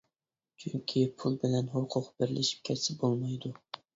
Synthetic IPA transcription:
t͡ʃʰyŋkʲʰipʰulˠbɪlɛnɦʊqʰʊqbɪɾlʔɪʃi̥p̚kʲʰɛsɪbolˠmɑjd̪ʊ

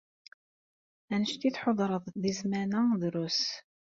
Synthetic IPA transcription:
ænəʃt̪iθħoðˤɾˤəðˤðizmænəðɾʊs

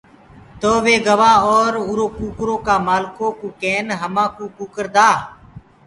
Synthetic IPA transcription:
t̪oːʋeːɡəʋaːoːɾʊːɾoːkuːkɾõːkaːmaːlkõːkuːkeːnɦəmãːkuːkuːkəɾd̪aː

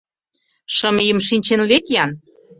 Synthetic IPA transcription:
ʃɤ̆mijəmʃinʲt͡ɕenlekjɑn

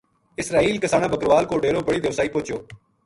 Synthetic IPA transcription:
ɪsɾaːiːlkɪsaːɽaːbəkɾʋaːlkoːɖeːɾoːbəɽiːd̪eːʋsaːiːpoːt͡ʃjoː

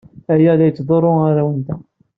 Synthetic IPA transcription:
æjæðæjət͡sːðˤoɾˤːoaɾawənt̪æ

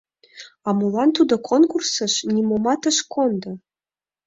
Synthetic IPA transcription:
ɑmulˠɑnt̪ud̪okʰonkursəʃnʲimomɑt̪əʃkʰond̪ɤ̆

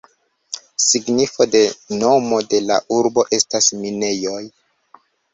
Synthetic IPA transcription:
siɡnifo̞de̞no̞mo̞de̞la̰ʔuɾbo̞ʔe̞stasmine̞jo̞j

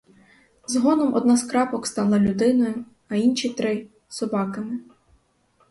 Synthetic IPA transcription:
zɦɔnɔmʔɔd̪nɑskɾɑpɔkst̪ɑlˠɐlʲʊd̪ɪnɔjʊ | ɐinʃʲit̪ɾɪ | sɔbɑkɐmɪ

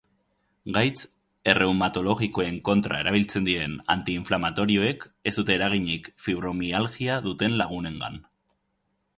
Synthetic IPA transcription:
ɡajt͡s | e̞re̞wmat̪o̞lo̞ɣiko̞e̞ŋko̞nt̪ɾʔa̰e̞ɾaβ̞ilt͡se̞nd̪iɾe̞na̰nt̪iːɱflamat̪o̞ɾio̞e̞ke̞zd̪ut̪e̞ːɾaɣ̞iɲikfiβɾo̞mialɣiaðut̪e̞nlaɣ̞une̞ŋɡa̰n

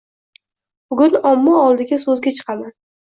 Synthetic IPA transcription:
bʊɡʲʊnɒmːɒɒlˠd̪ɪɡʲasɵzɡʲat͡ʃʰɨ̥qʰɑman

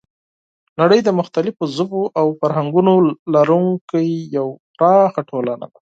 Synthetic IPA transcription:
naɽəjd̪əmʊxt̪alɪfozʊpoʔawfaɾɦaŋɡunolaɾuŋkajːawpɾɑxaʈʰolana̰d̪a

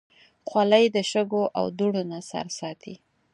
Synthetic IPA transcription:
xwalajd̪əʃəɡoʔa̰wd̪uɽonasa̰ɾsɑt̪ʰi

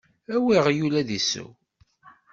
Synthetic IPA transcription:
æwiʁjulæðisːə̰w

